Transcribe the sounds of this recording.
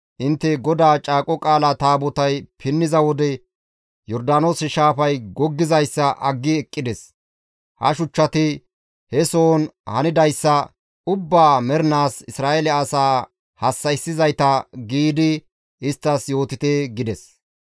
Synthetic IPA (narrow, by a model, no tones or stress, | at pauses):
ʔɪnt̪ːɛɡɔd̪aːt͡ʃʼaːkʼɔkʼaːlɐt̪aːbɔt̪ɐjpʰɪnːɪzɐwɔd̪ɛ | jɔɾd̪aːno̞ːsɪʃaːfɐjɡɔɡːɪzɐjsːɐʔɐɡːɪɛkʼːɪd̪ɛs | hɐ̰ʃʊt͡ʃːɐt̪ɪ | hɛsoːnhɐnɪd̪ɐjsːɐ | ʊbːaːmɛɾnaːsɪsɾaːʔelɛɐsaː | hɐsːɐjsːɪzɐjt̪ɐɡiːd̪ɪ | ɪst̪ːɐsjo̞ːt̪ɪt̪eːɡɪd̪ɛs